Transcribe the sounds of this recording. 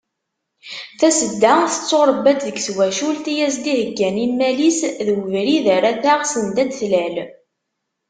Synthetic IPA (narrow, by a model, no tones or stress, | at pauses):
θæsəd̪ːaθə̥t͡sːoɾˤəbːæt͡s̪ðəɡswæʃult̪ijæzd̪ihəɡːæninmælisðwəvɾiðəɾæθaʁsənd̪æd̪θlæl